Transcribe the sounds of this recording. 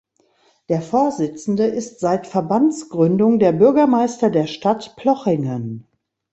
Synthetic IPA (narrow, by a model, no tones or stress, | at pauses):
d̥eːɐfoːɐzɪt͡sn̩dəʔɪstz̥aɪtfɛɐbant͡sɡ̥ʁʏndʊŋdeːɐbʏɐɡɐmaɪstɐdeːɐʃtatpʰlɔχɪŋən